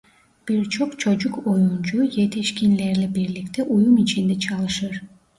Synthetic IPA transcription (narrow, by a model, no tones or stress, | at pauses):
b̥iɾt͡ʃʰo̞qt͡ʃʰo̞d͡ʒuko̞junt͡ʃʰuje̞t̪iʃkʲinleɾlibiɾlikt̪eʔujumit͡ʃind̪et͡ʃʰɑlˠɯʃɯɾ